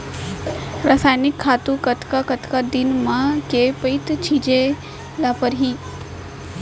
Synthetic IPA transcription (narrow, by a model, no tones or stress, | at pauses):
ɾaːsaːjnɪkʰːaːt̪ukət̪ʰkakət̪kad̪inmãkepəit̪t͡ʃʰiːd͡ʑe | lapəɾɦiː